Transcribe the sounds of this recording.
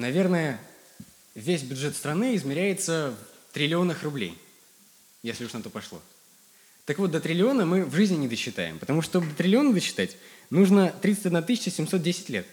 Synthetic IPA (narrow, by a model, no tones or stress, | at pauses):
nɐvʲe̞rnəjə | vʲesʲbʲʊdʐɛt̪st̪ɾɐnɨɪzmʲɪɾʲæjɪt̪səv | t̪ɾʲɪlʲɪo̞nəxrʊblʲḛj | jesʲlʲɪʊʂnɐt̪o̞pɐʂlˠo̰ | t̪əkvot̪̚d̪ət̪ɾʲɪlʲɪo̞nəmɨvʐɨzʲnʲɪnʲɪd̪əɕːɪt̪a̰jɪ̰mpət̪ɐmuʂt̪t̪obd̪ət̪ɾʲɪlʲɪo̞nəd̪əɕːɪ̥t̪atʲnuʐnət̪ɾʲit̪sətʲɐd̪nat̪ɨsʲɪt͡ɕəsʲɪmso̞t̪̚dʲesʲɪ̥tʲlʲet̪̚